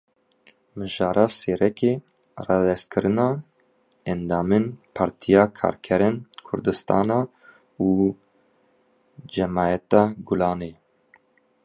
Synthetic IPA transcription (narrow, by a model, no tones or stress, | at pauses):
mɨʒɑːɾɑːseːɾɛkeː | rɑːd̪ɛst̪̚kʰɨɾɨnɑː | ɛnd̪ɑːmenpʰɑːɾt̪ʰijɑːkʰɑ̰ːɾkʰɛɾenkʰʊ̰ɾd̪ɨst̪ɑːnɑː | uː | d͡ʒɛmɑːjɛt̪ɑːɡʊlɑːneː